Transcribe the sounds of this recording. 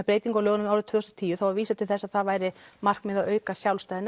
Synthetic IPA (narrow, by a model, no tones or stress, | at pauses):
pɾeːjt̪iŋkalœːɣʏnʏmawɾʏt̪ʰvʏːʏst̪ɔt̪ʰiːjʏθawaɾviːsat̪ʰɪlθɛsːaðθaðvaːjɾɪmar̥kmɪðaœːɥkasjawlst̪ajðɪn